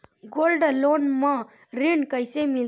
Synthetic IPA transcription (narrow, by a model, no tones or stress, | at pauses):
ɡolɖlonmã | ɾiɳkəjsemil